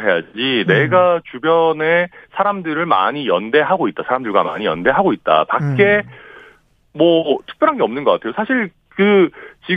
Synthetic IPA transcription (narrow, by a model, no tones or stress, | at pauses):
ɦe̞jad͡ʑine̞ɡat͡ɕubjʌne̞sʰaɾamdɯɾɯɭma̰ɲijʌnde̞ɦaɡoit̚t͈asʰaɾamdɯɭɡwama̰ɲijʌnde̞ɦaɡoit̚t͈a̰pak̚k͈e̞ | mwʌtʰɯ̥k̚pjʌɾɦanɡeʌmnɯnɡʌk͈atʰe̞josʰaɕʰiɭ | kɯt͡ɕi